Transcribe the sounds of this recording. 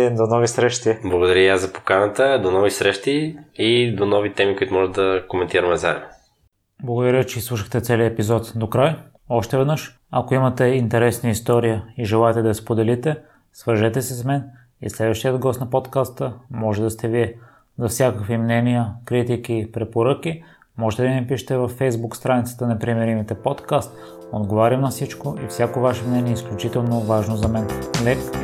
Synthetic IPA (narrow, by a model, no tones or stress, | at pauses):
d̪onɔvisɾɛʃt̪iblˠɐɡod̪ɐɾʲəiazɐpo̥kanət̪əd̪onɔvisɾɛʃt̪iid̪onɔvit̪ɛmikoʊit̪ʊmɔʒɛd̪ɐkomɛnt̪iɾəmɛzaɛno | blˠɐɡod̪ɐɾjət͡ʃɛislˠuʃəxt̪ɛt̪sɛliəɛpizɔt̪d̪okɾaj | ɔʃt̪ɛvɛd̪nɤʃ | ɐkoimɐt̪ɛint̪ɛɾɛsniist̪ɔɾijəiʒɛlˠaɛt̪ɛd̪ɐspod̪ɛlit̪ɛ | svəɾʒɛt̪ɛsɛsmɛn | ḭslɛd̪vəʃt̪ijəd̪ɡɔst̪nɐpot̪kast̪əmɔʒɛd̪ɐst̪ɛviɛ | zɐfsʲjakəkvimnɛnijəkɾit̪ikipɾɛpoɾək̟i | mɔʒɛt̪ɛd̪mipiʃɛ̥t̪ɛvɐfːɛjzbukst̪ɾanit̪sə̥t̪ənɛpɾimɛɾimit̪ɛpɔt̪kast̪ | od̪ɡovaɾʲɐmnɐfsit͡ʃkoifsʲjakovaʃɛmnɛniɛisklʲut͡ʃit̪ɛlˠnovaʒnozɐmɛnlɛk